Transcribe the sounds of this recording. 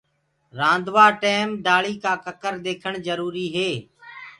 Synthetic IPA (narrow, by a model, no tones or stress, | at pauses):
ɾãːnd̪ʋaːʈeːmd̪aːɭiːkaːkəkəɾd̪eːkʰəɳzəɾuːɾiːɦeː